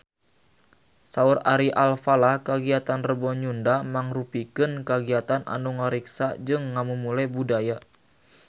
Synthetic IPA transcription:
sauraɾiʔalfalahkaɡiat̪anrəbɔɲundamaŋrupikɨnkaɡiat̪anʔa̰nuŋəɾiksad͡ʒɨŋːamumulabudaja

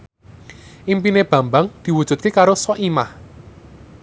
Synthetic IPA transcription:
ʔimpineb̥ä̤mbaŋd̪̥i̤wud̥ʒ̥ṳt̪̚kekaɾosɔʔimah

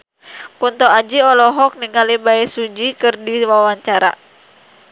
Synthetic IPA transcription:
kunt̪ɔad͡ʒiɔlɔɦɔk̚niŋalibaɛsud͡ʒikɨrdiwawaɲt͡ʃaɾa̰

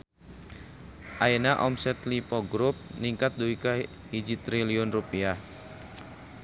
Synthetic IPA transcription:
ʔaenaʔɔmsɛt̪lipɔɡɾup̚niŋkat̪̚duika | hid͡ʒit̪ɾiliɔnrupia

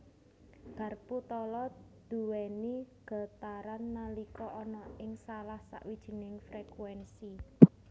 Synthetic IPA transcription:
ɡ̥a̤rput̪ɔlɔ | d̪̥ṳwɛniɡ̥a̤t̪aɾanːalikɔʔɔnɔɪŋsalahsa̰ʔwid̥ʒ̥i̤nɪŋfɾekwɛnsi

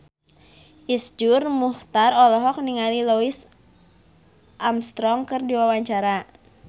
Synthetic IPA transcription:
ʔisd͡ʒʊrmuht̪arɔlɔɦɔk̚niŋalilois | ʔamst̪ɾɔŋkɨrdiwawaɲt͡ʃaɾa

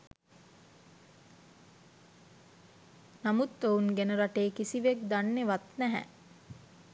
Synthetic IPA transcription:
namut̪ːounɡenəɾaʈeːkisiʋek̚d̪anːeʋat̪næɦæ̰

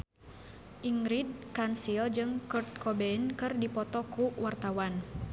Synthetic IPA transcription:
ʔiŋɾid̚kansild͡ʒɨŋkurt̪̚kɔbɛnkɨrdipɔt̪ɔkuwart̪awan

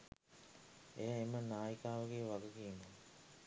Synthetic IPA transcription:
ejaemənaːjikaːʋəɡeːʋaɡukiːno

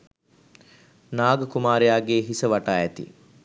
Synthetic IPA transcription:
naːɡəkumaːɾejaːɡeːɦisəʋaʈaːɛt̪ḭ

